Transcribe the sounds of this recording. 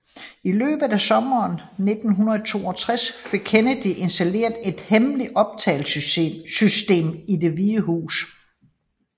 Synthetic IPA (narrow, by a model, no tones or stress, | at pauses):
ilø̰ːb̥ð̩ˠæsɒ̽mɐːnne̝d̥n̩ɦunɐð̩ˠt͡sʰo̝̰ːɒ̽t͡sʰʁasfe̝ɡ̥̚kʰenəd̥iʔe̝nsd̥æle̝ɐd̥e̝d̥hemliɒ̽b̥̚t͡sʰɛ̰ːlsysd̥e̝̰ːmide̝ʋiːəhṵːs